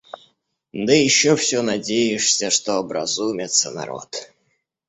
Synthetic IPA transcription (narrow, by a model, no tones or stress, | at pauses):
d̪ɨjɪɕːofsʲonɐdʲejɪʂsʲəʂt̪oɐbɾɐ̰zumʲɪt̪sənɐ̰ɾo̰t̪